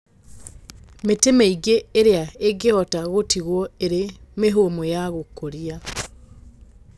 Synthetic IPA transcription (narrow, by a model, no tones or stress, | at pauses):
metemeiɡeːɾeaeɡehɔtaɣotiɣwɔeɾemeɦomojaɣokoɾia